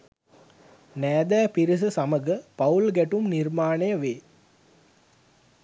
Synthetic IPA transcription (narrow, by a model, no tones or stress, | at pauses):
næːd̪æːpiɾis̬əsɐməɡəpɐulɡæʈumnirmaːnejəʋeː